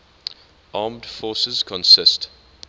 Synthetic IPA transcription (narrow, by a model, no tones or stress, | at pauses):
ʔɑːmd̥fɔːsəz̥kʰɔ̃nsɪst